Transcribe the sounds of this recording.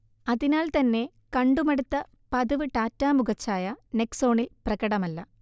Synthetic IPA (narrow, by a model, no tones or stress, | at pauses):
ɐðinaːlt̪ɐnːe̞ | kɐɳɖumɐɽut̪ːɐ | pɐðuʋɨʈaːtːaːmuɡɐt͡ɕːaːjɐne̞kso̞ːɳilprɐɣɐɽɐmɐlːɐ